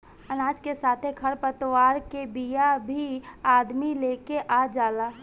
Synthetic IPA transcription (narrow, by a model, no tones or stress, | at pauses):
ənaːd͡ʒkesaːt̪ʰekʰəɾpət̪waːɾkebijabʱiaːd̪mileːkeʔaːd͡ʒaːlaː